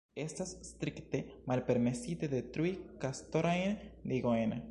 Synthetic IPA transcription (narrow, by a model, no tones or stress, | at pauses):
est̪asst̪ɾikt̪emalpeɾmesit̪eðet̪ɾuikast̪oɾaend̪iɣoena